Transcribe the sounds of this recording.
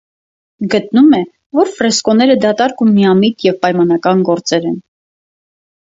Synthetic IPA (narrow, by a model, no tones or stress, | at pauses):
ɡət̪̚numɛ | vɔɾfrɛskɔnɛɾəd̪ɑt̪ɑɾkumːiɑmit̪jɛvpɑjmɑn̪ɑkɑnɡɔɾt͡sɛɾɛn